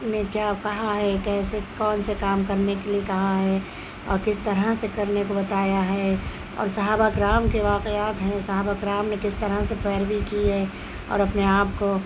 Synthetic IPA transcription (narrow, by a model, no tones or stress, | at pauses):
nekjaːkɐɦaɦɛkɛːsekɔːnsekaːmkɐɾnekeliekɐɦaɦɛ | ɔ̰ːɾkɪst̪ɐɾəsekɐɾnekobɐt̪aːjaɦɛ | ɔ̰ːɾsɐɦaːbakɾaːmkeʋaːqeaːt̪ɦɛ̃sɐɦaːbakɾaːmnekɪst̪ɐɾəsepɛːɾbikiɦɛ | ɔ̰ːɾɐpneaːpko